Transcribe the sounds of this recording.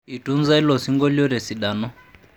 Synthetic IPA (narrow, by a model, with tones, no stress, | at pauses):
i˨tu˦nd͡za˦i˦lɔ˨si˦ŋɡɔ˦ljɔ˦ɾɛ˨si˨ɗaː˨nɔ˦